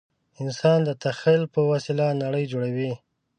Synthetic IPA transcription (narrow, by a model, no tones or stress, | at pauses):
ɪnsɑnd̪ət̪axilpəwasɪlanaɽəjd͡ʒoɽawi